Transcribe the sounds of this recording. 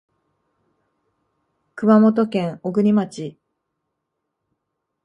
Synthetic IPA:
kɯ̟mamo̞t̪o̞kẽ̞ɰoɡɯ̟ɲʲimat͡ɕi

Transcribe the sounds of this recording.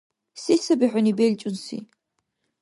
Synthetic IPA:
sesɐbiħʷʊnibelt͡ʃʼʊnsḭ

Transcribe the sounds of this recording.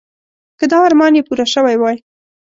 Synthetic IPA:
kəd̪ɑːɾmɑnjepuɾaʃəwajwɑj

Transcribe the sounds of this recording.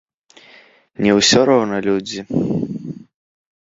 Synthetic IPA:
nʲɛwsʲɔɾɔwnɐlʲud͡zʲi

